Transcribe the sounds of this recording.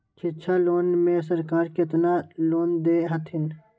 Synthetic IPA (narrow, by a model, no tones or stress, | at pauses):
kʰɪt͡ʃʰaloːnmẽs̬ɐɾkaːɾkɪt̪naloːnd̪eːɦɐt̪ʰɪn